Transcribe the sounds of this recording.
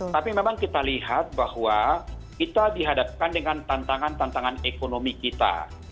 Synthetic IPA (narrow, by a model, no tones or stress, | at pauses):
t̪apimemaŋkit̪aliɦat̪̚bahwakit̪adiɦadap̚kandəŋant̪ant̪aŋant̪ant̪aŋanekonomikit̪a̰